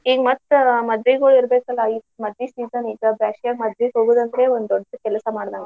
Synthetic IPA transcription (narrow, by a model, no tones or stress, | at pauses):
iːɡmɐt̪ːmɐd̪ʋiɡoːɭiɾbeːkɐlːɐimɐd̪ʋisiːzɐniːɡɐbjaːʂkaːɡmɐd̪ʋiɡɦoːɡuːd̪ɐnd̪ɾeond̪d̪ɔɖːɐkɛlɐsɐmaːɽd̪aːŋɡɐ